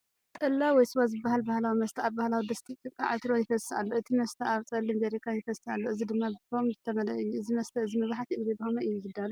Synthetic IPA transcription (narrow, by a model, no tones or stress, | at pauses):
t̪ʼɨlːawɔjsɨβazɨbːahalbahlawimɐst̪ʰɐaβbahlawid̪ɐst̪ʰit̪ʰjopʼja̰ʕɨt̪ʰɾojɪfɐsːa̰lːoʔɨt̪ʰimɐst̪ʰɐʔaβt͡sʼɐlːimɡeɾikʰajɪfɐsːa̰lːoɨzid̪ɨmːabɨfomzɨt̪ʰɐmɐlɐʔɨjːuɨzimɐst̪ʰɐɨzimɐβħat̪iʔɨɾebɨhomɐɨjːuzɨd̪alu